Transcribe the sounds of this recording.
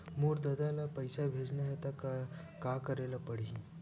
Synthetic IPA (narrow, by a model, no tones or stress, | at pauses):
muːɾd̪əd̪alapəjsabʱed͡ʒnaɦet̪a | kakəɾelapəɽ̤ii